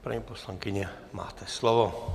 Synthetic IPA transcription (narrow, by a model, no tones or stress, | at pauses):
pɾa̰ɲɛpɔslaŋkiɲɛ | ma̰ːt̪ɛslɔʋɔ